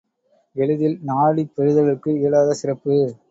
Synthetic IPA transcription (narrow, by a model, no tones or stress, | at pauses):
ɛɻɯðɪlnaːɭipːɛɻɯðɐʋɪkːɯɪːɭaːðɐsɪrɐpːɯ